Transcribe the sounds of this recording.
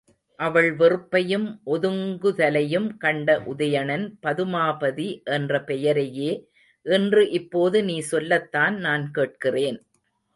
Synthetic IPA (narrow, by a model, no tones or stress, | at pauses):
ʔɐʋɐɭʋɪrɯpːɐjɯmʔɔðɯŋɡɯðɐlɐjɯmkɐɳɖɐʔʊðɐjɐɳɐnpɐðɯmaːbɐðiʔɛndrɐpɛjɐɾɐjeː | ʔɛndrɯʔɪpːoːðɯniːsɔlːɐt̪ːaːnnaːnkeːʈ̚kɪreːn